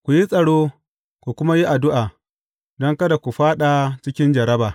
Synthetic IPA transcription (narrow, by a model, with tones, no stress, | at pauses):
kʷu˨ji˦sʼɐ˨ɽoː˦ | kʷu˨kʷʊ˦ma˦ji˦ʔa˨dʊ˦ʔaː˨ | dɔ˦ŋkɐ˦da˨kʷu˨ɸaː˦ɗa˨t͡ʃɪ˦kʲɪ˦nd͡ʒɐ˨ɾɐ˦baː˨